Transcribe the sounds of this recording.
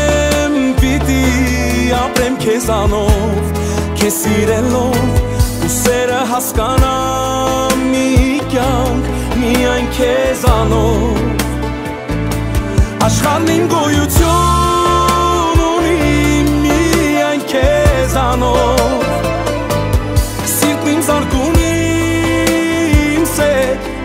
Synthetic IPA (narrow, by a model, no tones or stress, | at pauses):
mpit̪i | ɑpɾɛmkʰɛzɑnɔ | v | kʰɛsiɾɛlɔvusɛɾəɦɑskɑnɑ | mikjɑŋkʰ | mijɑjnkʰɛzɑnɔ | ɑʃχɑɾnimɡɔjut͡sʰju | nunimiɑjnkʰɛzɑnɔ | siɾk̪nimzɑɾɡuni | msɛ